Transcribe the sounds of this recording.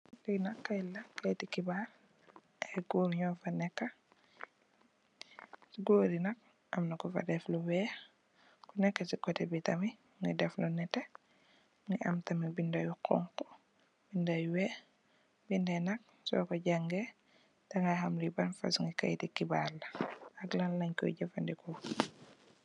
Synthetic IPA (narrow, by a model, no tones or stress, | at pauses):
linɐkːajlɐkajtikibaɾ | ɛɡuːɾɲɔːfɐnɛkːɐ | siɡoːɾinɐk̚ | ʔɐmnakɔfa̰dɛfluwɛ | kunɛkːasikɔtɛbitɐmi | ŋɡidɛflɔnɛtːɛ | ŋɡiʔɐ̰mtɐmibindajuqʰɔ̰ŋkɔ̥ | bindajuwɛ | bindɛnɐk̚ | sɔ̰kɔɟaŋɡɛ | tɛŋɡahamlibanfa̰sŋɡika̰jtikːibalːɐɐɡlanlɐɲkɔ̰ɟɐfandikɔ